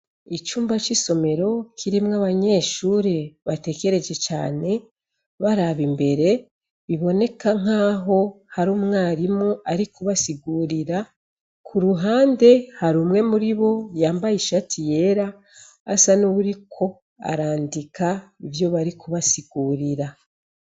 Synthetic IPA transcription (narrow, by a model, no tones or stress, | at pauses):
it͡ʃuːmbat͡ʃiso̞me̞ɾo̞kʰiɾimŋaβaɲe̞ːʃuːɾeβate̞ke̞ɾe̞d͡ʒe̞t͡ʃa̰ːne̞ | βaɾaβimbe̞ɾe̞ | βiβo̞ne̞kaŋ̥aːɦo̞ | haɾuːmŋaːɾimuaɾikuβasiɡuːɾiɾa | kʰuɾuɦaːnde̞haɾuːmŋe̞muɾiβo̞jaːmbajiʃatʰije̞ːɾaː | sanuβuɾikʰo̞ | a̰ɾaːndikʰaivjo̞βaɾikuβasiɡuːɾiɾa